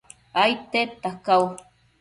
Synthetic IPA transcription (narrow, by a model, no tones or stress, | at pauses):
ajt̪et̪ːakaw